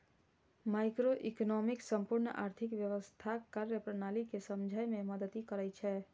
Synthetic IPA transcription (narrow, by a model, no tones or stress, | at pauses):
maɪkɾoʔiknɔmɪksə̃mpʊɾnəʔa̰ːɾt̪ʰɪkʋjəʋəst̪ʰakaɾəpɾənaːlikesəmd͡ʒʱajmẽməd̪ət̪ikəɾəjt͡ʃʰɛː